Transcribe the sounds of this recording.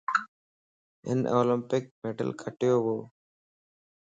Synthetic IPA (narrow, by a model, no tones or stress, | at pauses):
ɪ̰nʔo̰ːlɪ̃mpɪk̚meɖə̰lkʰəʈjoːʋoː